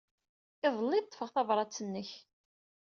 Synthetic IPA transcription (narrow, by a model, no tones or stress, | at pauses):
ɪðˤəlːiðt̪ːˤfəʁθɑvɾˤɑt͡sːənːəç